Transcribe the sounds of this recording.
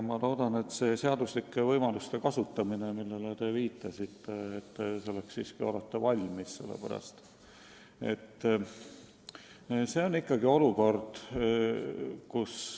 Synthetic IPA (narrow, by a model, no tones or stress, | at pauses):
mɑlo̞ːd̪ɑne̞t̪se̞ːse̞ɑd̪̥uslikːˑevɤjmɑlust̪e̞kɑsut̪ˑːɑminemilːe̞let̪e̞viːt̪ˑːɑsit̪ːe̞et̪ːseo̞lekssiːskio̞let̪ːe̞vɑlʲmisse̞lːḛpæ̰ɾɑ̰st̪ | e̞̰t̪ː | se̞onːikːɑɡio̞luko̞rd̪̥ | kus